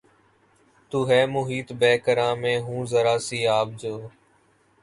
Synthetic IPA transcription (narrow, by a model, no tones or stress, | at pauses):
t̪uːɦɛːmʊɦiːt̪bɛːkəɾãːmẽːɦũːzəɾaːsiːaːb̚d͡ʒoː